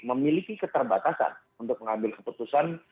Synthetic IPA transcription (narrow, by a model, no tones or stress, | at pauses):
məmilikikət̪ərbat̪asa̰n | unt̪ʊk̚məŋambɪlkəput̪usan